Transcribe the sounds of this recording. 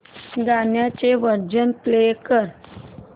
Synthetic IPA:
ɡaɳjat͡ɕeʋəɾd͡ʑənplekəɾ

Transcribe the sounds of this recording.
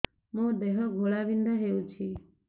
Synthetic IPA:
mõd̪eɦɔɡʱoɭaʋind̪aɦeũt͡ʃʰi

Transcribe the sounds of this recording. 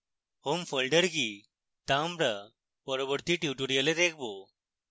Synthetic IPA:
homfolɖəɾki | t̪ãmbɾa | bəɾobəɾt̪iʈiʈuɾijəlet̪ek̚bo

